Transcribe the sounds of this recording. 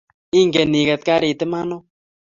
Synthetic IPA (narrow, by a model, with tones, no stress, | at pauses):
i˦ŋɡe˨ni˨kɛ˨t̪̚ka˦ɾi˨t̪e˦ma˦no˦